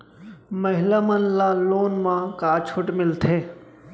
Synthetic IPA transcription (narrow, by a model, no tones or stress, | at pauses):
məɦɪlamənlaloːnmãkaːt͡ʃʰʊʈmɪlt̪ʰeː